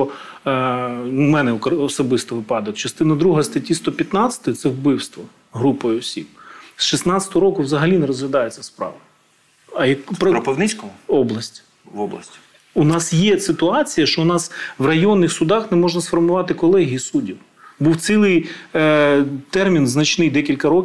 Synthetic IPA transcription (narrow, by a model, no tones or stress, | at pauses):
ɔ | numɛnɛkɔsɔbɪst̪ɔʋɪpɑd̪ɐjɐt͡ʃɐst̪ɪnɐd̪ɾuɦɐst̪ɐtʲːist̪ɔpʲjɐt̪nɑt͡sʲɐ̥t̪ɔjɐt̪sɛwbɪwst̪ʋɔ | ɦɾupɔjʊɔsʲib̚sʃisnɑt͡sʲɐt̪ɔɦɔɾɔkʊwzɐɦɐlʲinɛɾɔzɦlʲɐd̪ɑjet͡sʲːɐspɾɑ̰ʋɐ | ɐjɐkpɾɾɔpɪnɪt͡sʲkɔmɔblˠɐsʲtʲ | ɔbˠɐ̰sʲtʲ | unɑsjɛsɪt̪ʊɑt͡sʲijɐʃt͡ʃɔʊnɑsʋrɐjɔnːɪxsʊd̪ɑxnɛmɔʒnɐsfɔrmʊʋɑt̪ɪkɔlˠɛɦʲiisudʲiw | buwt̪silˠɪj | t̪ɛrmʲinznɐt͡ʃnɪjd̪ɛkʲilʲkɐɾɔkʲ